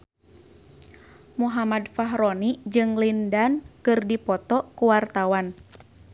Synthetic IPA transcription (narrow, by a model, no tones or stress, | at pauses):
muɦamadfaɦɾɔnid͡ʒɨŋlindankɨrdipɔt̪ɔkuwart̪awan